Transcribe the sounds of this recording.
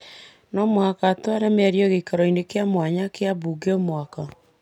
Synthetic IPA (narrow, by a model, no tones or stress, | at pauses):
nɔmwakatwaɾamaɾjɔɣekaɾɔinekeamwaɲakeaβuɡeɔmwaka